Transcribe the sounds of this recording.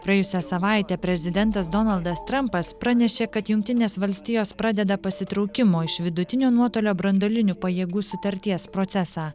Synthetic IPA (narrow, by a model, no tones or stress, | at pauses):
pɾɐɛjʊsʲɛsɐʋɑˑɪt̪ʲɛːpʲɾʲɛzʲɪd̪ʲɛnt̪ɐsd̪ɔnɐlˠd̪ɐst̪ɾɐmpɐspɾɐnʲɛʃʲeːkɐt̪jʊŋkt̪ʲɪnʲeːsʋɐlʲsʲt̪ʲiːjoːspɾɑd̪ʲɛd̪ɐpɐsʲɪt̪ɾɒʊkʲɪmoːɪʃʋʲɪd̪ʊt̪ʲɪnʲoːnuɔt̪oːlʲoːbɾɐnd̪oːlʲɪnʲʊpɐjeːɡuːsʊt̪ɐɾʲt̪ʲiɛspɾoːt̪sʲɛsɑː